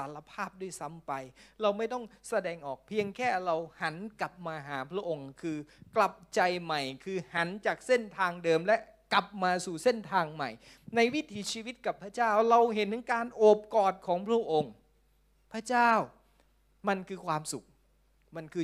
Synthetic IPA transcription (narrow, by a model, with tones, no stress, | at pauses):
a˩˦la˧pʰaː˥˩p̚du˥˩əjsa˨˦mpa˧jɾa˧wma˥˩jt̪ɔ˥˩ŋsa˧dɛː˧ŋʔɔː˨˩k̚pʰi˧əŋkʰɛː˥˩ɾa˧wha˩˦nkla˨˩p̚maː˧ɦaː˩˦pʰɾa˦˥ʔo˧ŋkʰɯː˧kla˨˩p̚t͡ɕa˧jma˨˩jkʰɯː˧ha˩˦nt͡ɕaː˨˩k̚se˥˩nt̪ʰaː˧ŋdɤː˧mlɛ˦˥ʔ | ka˨˩p̚maː˧suː˨˩se˥˩nt̪ʰaː˧ŋma̰˨˩j | na˧jwi˦˥t̪ʰiː˨˦t͡ɕʰiː˧wi˦˥t̪̚ka˨˩pʰːɾa˥˩t͡ɕaː˥˩wɾa˧wɦe˨˦nt̪ɯ˨˦ŋkaː˧nʔoː˨˩p̚kɔː˨˩t̪̚kʰɔː˩˦ŋpʰɾa˦˥˩ʔo˧ŋ | pʰɾa˥˩t͡ɕaː˥˩w | ma˧nkʰɯː˧kʰwaː˧msu˨˩k̚ | ma˧nkʰɯː˧